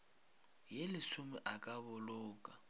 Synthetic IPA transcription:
jelɪsʊmɪʔakʼaβʊlʊːkʼa

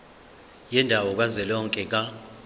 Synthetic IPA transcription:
jɛndʱawɔk̬ʼwazɛlɔŋkʼɛk̬a

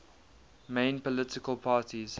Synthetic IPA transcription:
mẽɪ̃npəlɪtɪkəlˠpʰɑːtiz̥

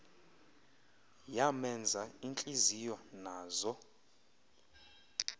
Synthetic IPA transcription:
jamɛnd͡zʱaint͡ɬʼizijɔnaːzɔ

